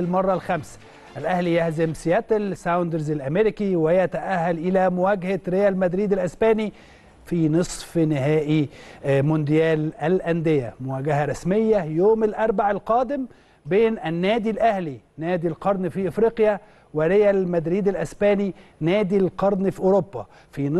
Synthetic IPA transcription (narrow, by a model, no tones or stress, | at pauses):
lmɑrˤːɑlxæmsæ̥ | ʔælʔæhlijæhzɪmsɪjæt̪ɪlsawnd̪ɑɾzɪlʔæmeɾɪkiwɪjæt̪æʔæhːælʔɪlæːmʊwæːɡhaɾejælmæd̪ɾiːd̪ɪlʔæsbæːni | fiːnɨsˤfnɪɦæːʔimʊnd̪ɪjæːlælʔænd̪ɪjæmʊwæːɡahæɾˤɑsmɪjːæjoːmɪlʔɑɾˤbaʕalqɑːd̪ɪm | beːnʔænːæːd̪ilʔæhli | næːd̪ilqɑɾˤnfiʔɪfɾiːqja | wɪɾɪjælmæd̪ɾiːd̪ælʔæsbæːninæːd̪ilqɑɾˤnfiʔoɾobːa | fin